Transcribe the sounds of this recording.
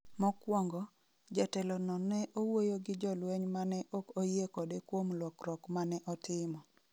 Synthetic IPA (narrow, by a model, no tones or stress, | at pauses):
mɔkwɔŋɡɔ | d͡ʒatɛlɔnɔnɛʔowojoɡɪd͡ʒɔlweɲmanɛʔokojekɔdekwomlwɔkrɔkmanɛʔɔtɪmɔ